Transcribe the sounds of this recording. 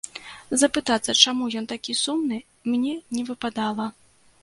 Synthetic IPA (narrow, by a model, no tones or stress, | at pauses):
zɐpɨt̪at̪sːɐt͡ʂamujɔnt̪akʲisumnɨ | mnʲɛnʲɛvɨpad̪alˠɐ